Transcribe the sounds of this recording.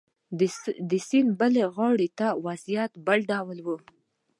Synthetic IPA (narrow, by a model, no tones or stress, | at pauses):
d̪əsinbəleɣɑɽet̪awazjat̪balɖɑwəlwə